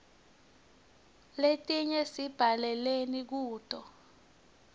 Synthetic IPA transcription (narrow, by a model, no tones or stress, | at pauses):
letʼiɲɛsib̥ʱalɛlenik̬uːd̥ʱʼɔ